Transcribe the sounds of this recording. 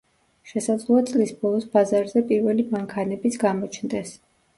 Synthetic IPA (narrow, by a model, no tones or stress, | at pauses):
ʃɛsad̪zlˠuat̪sʼlisb̥ɔlˠɔsbazaɾzɛpʼiɾvɛlimaŋkʰanɛbit̪sʰɡamɔt͡ʃʰnd̪ɛs